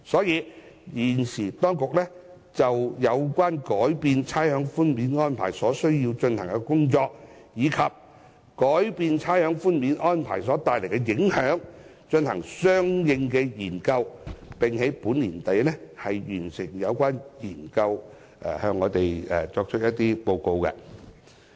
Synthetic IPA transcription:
sɔː˨˥jiː˨˧jiː˨˩nsiː˨˩t̪ɔː˥ŋkʊ˨k̚lɛː˥ | t͡sɐ˨wjɐ˨˧wkʷwaː˥nkɔː˨˥jpiː˨˧nt͡sʰaː˥jhœː˨˥ŋfuː˥nmiː˨˥nŋɔː˥npʰa̰ː˨˩jsɔː˨˥sɵ˥ɥji˧wt͡ʃɵ˧nhɐ˨˩ŋkɛ˧kʊ˥ŋt͡ʃɔː˧k̚ | jiː˨˧kʰɐ˨p̚ | kɔː˨˥jpiː˧nt͡sʰaː˥jhœː˨˥ŋfuː˥nmiː˨˥nʔɔː˥npʰa̰ː˨˩jsɔː˨˥t̪aː˨jle˨˩jkɛ˧jɪ˨˧˥ŋhœː˨˥ŋ | t͡ʃɵ˧nhɐ˨˩ŋsœː˥ŋjɪ˧ŋkɛː˧jiː˨˩nkɐ˧wpɪ˨ŋhe˨˥jpuː˨˥nliː˨˩nt̪ɐ˨jlɛ˥hɐ˨jjyː˨˩nsɪ˨˩ŋjɐ˨˧wkʷaː˥njiː˨˩nkɐ˧w | ʔɛ̰˨hœː˧ŋːɔː˨˧t̪e˨jɛ˨t͡sɔː˧k̚t͡ʃʰɵ˥jɐ˥t̚t̪iː˥po˧wko˧wkɛ̰˧

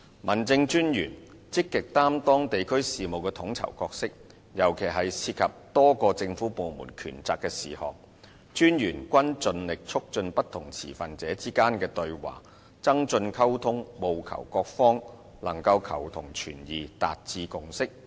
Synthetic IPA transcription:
mɐ˨˩nt͡sɪ˧ŋt͡ʃyː˥njyː˨˩n | t͡sɪ˥kːɪ˨k̚t̪aː˥mt̪ɔː˥ŋt̪e˨jkʰɵ˥ɥsiː˨mo˨wkɛ˧t̪ʰʊ˨˥ŋt͡sʰɐ̰˨˩wkɔː˧k̚sɪ˥k̚ | jɐ˨˩wkʰe˨˩jɦɐ˨jsiː˧t̚kʰɐ˨p̚t̪ɔː˥kɔː˧t͡sɪ˧ŋfuː˨˥po˨wmṵː˨˩nkʰyː˨˩nt͡saː˧kːɛː˧siː˨hɔ̰ː˨˩ŋ̚ | t͡ʃyː˥njyː˨˩nkʷɐ˥nt͡sɵ˨˧nlɪ˨k̚t͡ʃʰʊ˥k̚t͡ʃɵ˧npɐ˥t̪ʰːʊ˨˩ŋt͡sʰḭː˨˩fɐ˨nt͡sɛː˨˥t͡siː˥kaː˥nkɛː˧t̪ɵ˧ɥwa̰ː˨˩ | t͡sɐ˥ŋt͡ʃɵ˧nkʰɐ˥wt̪ʰʊ˥ŋmo˨wkʰɐ̰˨˩wkɔː˧k̚fɔː˥ŋ | lɐ˨˩ŋkɐ˧wkʰɐ̰˨˩wt̪ʰʊ˨˩ŋt͡ʃʰy̰ː˨˩njiː˨t̪a̰ː˨t̚t͡siː˧kʊ˨˧ŋsɪ˥k̚

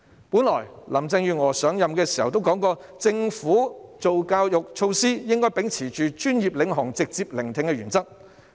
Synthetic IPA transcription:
puː˨˥nlɔ̰ː˨˩jlɐ˨˩mt͡sɪ˧ŋjyː˨˧ŋɔː˨˩sœː˨˥ŋjɐ˨mkɛː˧si˨˩hɐ˨˩wt̪o˥wkɔː˨˥ŋkɔː˧ | t͡sɪ˧ŋfuː˨˥t͡so˨wkaː˧wjʊ˨k̚t͡ʃʰo˧wsiː˥jɪ˥ŋkɔː˥jpe˨˥ŋt͡sʰiː˨˩t͡ʃyː˨t͡ʃyː˥njiː˨˩p̚lɪ˨˥ŋɦʊ˨˩ŋt͡sɪ˨k̚t͡siː˧p̚lɪ˨˩ŋt̪ʰɪ˨˧ŋkɛː˧ɥyː˨˩nt͡sɐ˥k̚

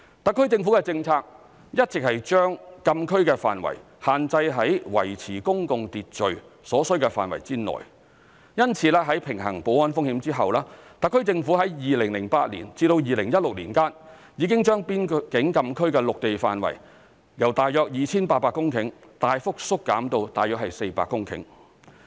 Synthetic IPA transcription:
t̪ɐ˨kʰːɵ˥ɥt͡sɪ˧ŋfu˨˥kɛ˧t͡sɪ˧ŋt͡sʰaː˧k̚ | jɐ˥t̚t͡sɪ˨k̚hɐ˨jt͡ʃœː˥ŋkɐ˧mkʰɵ˥ɥkɛː˧fa̰ː˨nwɐ̰˨˩j | haː˨nt͡sɐ˧jɦɐ˨˥jwɐ̰˨˩jt͡sʰiː˨˩kʊ˥ŋkʊ˧ŋt̪iː˨t̚t͡ʃɵ˨ɥsɔː˨˥sɵ˥ɥkɛː˧fa̰ː˨nwɐ̰˨˩jt͡siː˥nɔ̰ː˨˩j | jɐ˥nt͡sʰiː˧lɛː˥ɦɐ˨˥jpʰɪ˨˩ŋɦɐ̰˨˩ŋpo˨˥wɐ˨˥nfʊ˥ŋhiː˨˧˥mt͡siː˥ɦɐ˨wlaː˥t̪ɐ˨˧kʰːɵ˥ɥt͡sɪ˧ŋfuː˨˥ɦɐ˨˥jjiː˨lɪ˨˩ŋlɪ˨˩ŋpaː˧t̚lḭː˨˩nt͡siː˧t̪o˧wjiː˨lɪ˨˩ŋjɐ˥t̚lʊ˨k̚liː˨˩nkaː˥n | jiː˨˧kɪ˥ŋt͡ʃœː˥ŋpiː˥nkɪ˨˥ŋkɐ˧mkʰɵ˥ɥkɛː˧lʊ˨k̚t̪e˨jfaː˨nwɐ̰˨˩j | jɐ˨˩wt̪aː˨jːœː˧k̚jiː˨˩t͡sʰiː˥npaː˧t̚paː˧kːʊ˥ŋkʰɪ˨˥ŋ | t̪aː˨jfʊ˥k̚sʊ˥kːaː˨˥mt̪o˧wt̪aː˨jœː˨k̚hɐ˨jse˧jpa̰ː˧kːʊ˥ŋkʰɪ̰˨˥ŋ

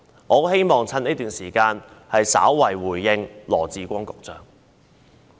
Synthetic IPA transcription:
ʔɔː˨˥he˥jmɔː˨˩ŋt͡sʰɐ˥ni˥t̪yː˨˩nsiː˨˩kaː˧nhɐ˨jsa̰ː˨˥wːɐ˨˩jwuː˨˩jːɪ˧ŋlɔː˨˩t͡siː˨˧kʷɔː˥ŋkʊ˨k̚t͡sœː˨ŋ

